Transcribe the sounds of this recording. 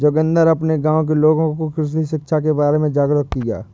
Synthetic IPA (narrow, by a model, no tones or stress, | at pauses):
d͡ʒoːkə̃nd̪əɾɐpneɡãːõk̬iloːɡõkokɾɪʃ̬iʃɪkʃʰak̬ebaːɾemẽd͡ʒaːɡɾəkkiɡja̰ː